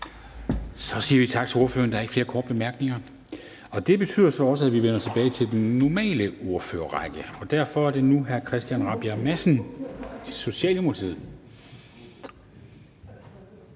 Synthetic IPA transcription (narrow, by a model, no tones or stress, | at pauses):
sɒ̽siːɐʋit͡sʰɑ̈ɡ̥̚t͡sʰe̝o̝ɐfø̰ɐnd̥ɑ̈ɐeɡ̥fle̝ːɐkʰɒːd̥̚b̥emæɐɡ̥ne̝ŋɐ | ɒ̽d̥e̝b̥e̝t͡sʰy̰ðˠɐsɒ̽ɒ̽s̬əæʋiʋen̰ɐt͡sʰe̝b̥ɛːɪt͡sʰe̝ld̥enːɒmɛ̰ːləo̝ɐfø̰ːɐʁɑɡ̥əɒ̽d̥æɐ̰fɒ̽æɐd̥e̝nuɦæɐkʰʁɛsd̥jænʁɑ̈b̥jæmæsn̩ | so̝ɕiɛ̰ːlomolt͡sʰe̝ð̰ˠ